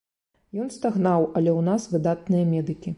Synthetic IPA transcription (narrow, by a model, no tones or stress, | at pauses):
jɔnst̪aɣnawɐlʲɛwnasvɨd̪at̪̚nɨjɐmʲɛd̪ɨkʲi